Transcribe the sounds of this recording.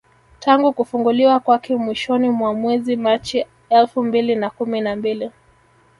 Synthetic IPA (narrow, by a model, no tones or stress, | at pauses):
taŋɡukufuŋɡuliwakwakɛmwiʃɔnimwamwɛzimat͡ʃi | ɛlfumbilinakuminambili